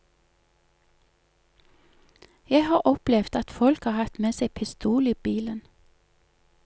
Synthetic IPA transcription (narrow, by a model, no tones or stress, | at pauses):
jæɪhɑːʔɔplɛʋd̪ɑt̪fɔlkhɑːhɑt̪meːseɪpʰɪst̪uːliːbiːlən